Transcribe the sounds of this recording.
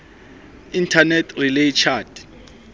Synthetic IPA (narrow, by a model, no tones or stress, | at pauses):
intʰanɛtʰrilejt͡ʃʰaːd